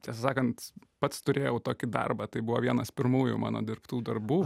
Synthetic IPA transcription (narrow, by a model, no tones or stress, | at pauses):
t̪ʲɛsɐsɑːkɐnt̪pɐt̪st̪ʊɾʲeːjɛʊt̪oːkʲɪd̪ɑ̰rbɑt̪ɐɪbʊʋoːʋʲiɛnɐspʲɪɾmuːjṵːmɑ̰ːno̰ːd̪ʲɪrɾpt̪uːd̪ɐrbuː